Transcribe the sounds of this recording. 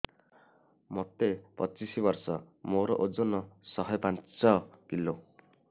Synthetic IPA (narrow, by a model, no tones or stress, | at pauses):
mɔt̪epɔt͡ʃisibɔɾsɔ | moɾɔ̰ʔod͡ʒonɔsɔɦɔjpant͡sɔkilo